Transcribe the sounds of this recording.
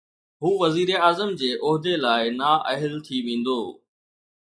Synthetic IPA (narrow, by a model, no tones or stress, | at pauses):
ɦuːʋɐziːɾeaːzəmd͡ʑeːʔɔɦd̪elaːɪnaːʔɐɦɪlt̪ʰiʋẽːn̆d̪oː